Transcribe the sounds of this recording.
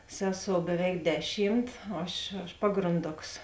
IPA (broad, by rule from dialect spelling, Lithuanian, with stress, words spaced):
ˈsʲæːˌsoːʊ bʲɛˈʋʲɛɪk ˈdʲæːˌʃʲiːmt ˈɐʃ ɐʃ ˈpɑːɡrɐnˌdoːks